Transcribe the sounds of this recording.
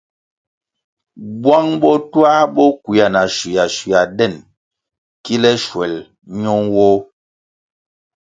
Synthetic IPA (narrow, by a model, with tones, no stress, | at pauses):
bwa˦ŋbɔ˦twa˦bɔ˦kwi˨ja˨na˨ʃi˨ja˨ʃi˨ja˨dɛ˦˨n | ki˦lɛ˦ʃwɛ˨l | ɲɔ˦ŋwɔ˦